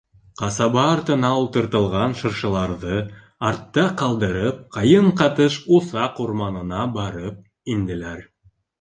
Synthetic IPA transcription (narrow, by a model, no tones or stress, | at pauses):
qɑsɑβɑːɾt̪ɤ̆nɑulˠt̪ɤ̆ɾt̪ɤ̆lˠʁɑnʃɤ̆ɾʃɤ̆lˠɑɾðɤ | ɑɾt̪ːɑqɑlˠd̪ɤ̆ɾɤp̚qɑjɤɴqɑt̪ɤʃuθɑquɾmɑnɤ̆nɑbɑɾɤp̚ | ind̪ɘ̆læɾ